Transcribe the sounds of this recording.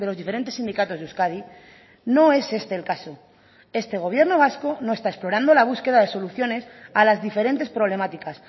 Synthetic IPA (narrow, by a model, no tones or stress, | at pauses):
d̪eloðifeɾent̪e̞sːind̪ikat̪o̞zuskaði | no̞e̞se̞st̪e̞ːlkaso̞ | e̞st̪e̞ɣ̞o̞βje̞ɾno̞β̞asko̞no̞e̞st̪ae̞splo̞ɾand̪o̞laβ̞uske̞ðaðe̞so̞luθjo̞ne̞salazðife̞ɾe̞nt̪e̞spɾo̞β̞le̞mat̪ikas